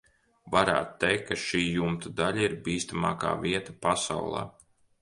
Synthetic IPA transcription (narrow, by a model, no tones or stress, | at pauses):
vaɾa̰ːt̪t̪ːɛjkʰːaʃiːjumt̪ud̪aʎʲaiɾbiːst̪ama̰ːka̰ːviɛt̪apasa̰wlˠa̰ː